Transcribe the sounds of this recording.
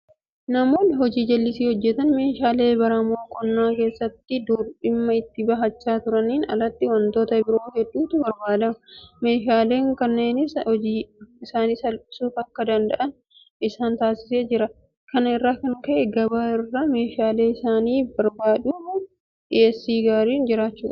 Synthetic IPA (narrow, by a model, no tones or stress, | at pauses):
nɐmo̞ːnɦɔd͡ʒiːd͡ʒɛlːɪsiːhɔd͡ʒːɛt̪ɐnme̞ːʃaːle̞ːbɐɾɐmoːkʼɔnːaːke̞ːsːɐt̪ːɪd̪uːɾɪmːɐɪt̪ːɪbɐɦɐt͡ʃːaːt̪ʊɾɐniːnɐ̰lɐt̪ːɪwɐnt̪o̞ːt̪ɐbɪɾo̞ːhɛdːuːt̪ʊbɐɾbaːd̪ɐmɐme̞ːʃaːle̞ːŋkɐnːe̞ːnɪd͡ʒiːɪsaːniːsɐlɪsuːfɐkːɐd̪ɐnd̪ɐʔɐn | ɪsaːnt̪aːsɪ̥se̞ːd͡ʒɪɾɐ | kɐnɐɪrːaːkɐŋkɐʔɛɡɐbaːɪrːɐme̞ːʃaːle̞ːɪsaːniːbɐɾbaːᶑuːmʊ | ᶑɪɛsːiːɡaːɾiːnd͡ʒɪɾaːt͡ʃːuːᶑɐ̥